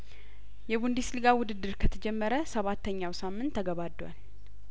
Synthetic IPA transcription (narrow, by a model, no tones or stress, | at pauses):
jɛβund̪islɨɡawʊd̪ɨd̪ːɨɾkʰət̪ʰəd͡ʒɛmːəɾəsəβat̪ːəɲːawsamːɨnt̪ʰːəɡəβad̪ːwa̰l